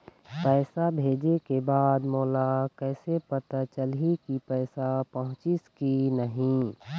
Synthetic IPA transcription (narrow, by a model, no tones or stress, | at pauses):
pɛːsabʱeːd͡ʒekebaːd̪moːlakɛːsepət̪at͡ʃəlikipɛːsapəɦʊ̃t͡ʃiskinəɦĩ